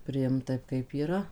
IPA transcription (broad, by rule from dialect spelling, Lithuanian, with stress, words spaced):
pʲrʲɪˈɪmt ˈtɐɪp kɐɪp iːˈrɐ